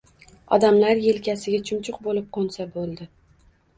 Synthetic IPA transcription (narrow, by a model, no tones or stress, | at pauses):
ɒ̰d̪amlaɾjelkʲasɪɡʲat͡ʃʰʊmt͡ʃʰʊqbolɪp̚qʰonsabolˠd̪ɪ